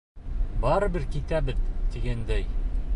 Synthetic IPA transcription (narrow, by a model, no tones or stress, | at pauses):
bɑɾɤbɘɾkit̪æbɘðt̪iɡænd̪æj